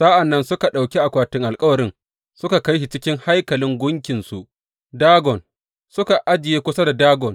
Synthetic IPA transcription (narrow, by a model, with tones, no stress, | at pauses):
sa˦ʔa˨nːɐ˦nsʊ˦ka˨ɗa˨wkʲi˦ʔa˨kʷaː˦tɪ˦ŋʔa˨lkʼɐ˦wɐ˨ɾɪ˦n | sʊ˦ka˨ka˦jʃi˨t͡ʃɪ˦kʲɪ˦ŋha˦jkɐ˨lɪ˦ŋɡʷʊ˦ŋkʲɪ˨nsu˨ʔ | daː˦ɡɔ˨n | sʊ˦ka˨ʔa˦d͡ʒɪ˨jeː˦kʷʊ˦sa˦da˨daː˦ɡɔ˨n